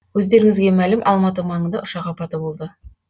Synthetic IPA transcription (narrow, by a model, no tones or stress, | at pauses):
wɵzd̪e̞ɾɪŋɪzɡʲe̞mælɪmʔɑlˠmɑt̪əmɑɴənd̪ɑʔʊʃɑqɑpɑt̪əbo̞lˠd̪ə